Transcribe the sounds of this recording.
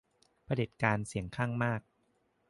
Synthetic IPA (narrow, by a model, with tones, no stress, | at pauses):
pʰa˧de˨˩t̪̚kaː˧nsi˨˩˦əŋkʰaː˥˩ŋmaː˥˩k̚